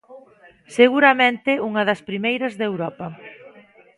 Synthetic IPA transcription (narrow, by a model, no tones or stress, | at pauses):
seɣuɾɐmẽnt̪ɪuŋɐðɐspɾimejɾɐzðewɾɔpɐ